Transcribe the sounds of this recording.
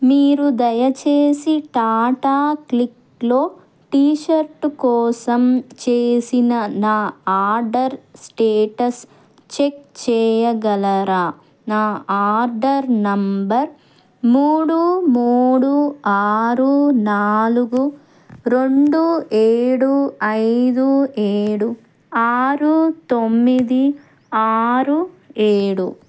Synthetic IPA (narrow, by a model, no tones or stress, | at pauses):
miːɾud̪ɐjɐt͡ʃeːsiʈaːʈaːklik | lo̞ː | ʈiːʃɐɾʈkɔːsɐmt͡ʃeːsinɐnaːaːɾɖɐɾsʈeːʈɐs | t͡ʃek̚t͡ʃɛːjɐɡɐlɐɾaː | naːaːɾɖɐɾnɐmbɐɾ | muːɽumuːɽuaːɾunaːluɡu | ɾo̞ɳɖueːɽuɐjd̪ueːɽu | aːɾut̪o̞mːid̪i | aːɾu | eːɽu